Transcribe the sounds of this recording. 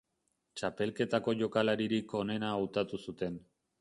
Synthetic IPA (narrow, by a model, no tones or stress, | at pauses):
t͡ʃape̞lke̞t̪ako̞ʝo̞kalaɾiɾiko̞ne̞naːwt̪at̪usut̪e̞n